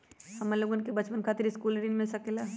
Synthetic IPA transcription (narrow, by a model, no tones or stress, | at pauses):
hɐmɐloːɡonkebɐt͡ʃpənkʰaːt̪ɪɾɪskuːlɾinmẽsɐkela